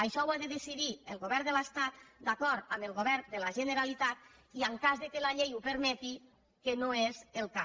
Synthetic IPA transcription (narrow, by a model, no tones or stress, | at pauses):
əʃɔwaðəðesiðiəlˠɣoβɛɾd̪ələst̪at̪d̪akɔɾt̪əməlˠɣoβɛɾd̪əlaʒənəɾalit̪at̪ | iəŋkazðəkəlaʎejupəɾmɛt̪i | kənoezelˠka